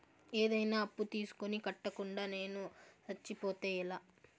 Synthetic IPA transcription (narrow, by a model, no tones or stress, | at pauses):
eːd̪ɐjnaːɐpːut̪iːsu̥konikɐʈːɐkuɳɖaːne̞ːnuɾɐt͡ʃːipɔːt̪eːjilaː